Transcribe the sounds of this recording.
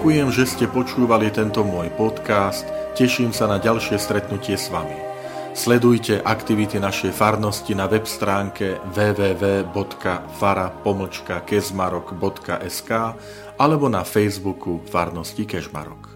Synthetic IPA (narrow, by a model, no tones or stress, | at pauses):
kujɛmʒɛscɛpɔt͡ʃuːʋalit̪ɛnt̪ɔmʊɔjpɔt̪kaːst̪cɛʃiːmsanaɟalʃɪɛst̪ɾɛt̪nucɪɛsʋami | slɛd̪ujcɛʔakt̪iʋit̪inaʃɛjfaɾnɔscinaʋɛpst̪ɾaːŋkɛʋɛːʋɛːʋɛːbɔt̪kafaɾapɔml̩t͡ʃkakɛʒmaɾɔɡbɔt̪ka̰ʔɛskaː | ʔalɛbɔnafɛjzbukufaɾnɔscikɛʒma̰ɾɔ̰k